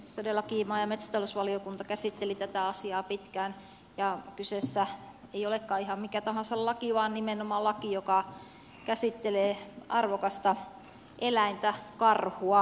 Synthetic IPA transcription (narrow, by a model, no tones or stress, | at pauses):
t̪odelːɑkiːmɑːjɑmet̪sæ̥t̪ɑlosʋɑliokunt̪ɑkæsit̪ːelit̪æt̪æɑsiɑːpit̪kæːn | jɑkysesːæeijolekːɑːihɑmmikæt̪ɑhɑ̃nsɑllɑkiʋɑːnnimenomɑlɑkijokɑ | kæsit̪ːeleːɑrʋokɑst̪ɑ | ʔelæint̪ækɑrhuɑ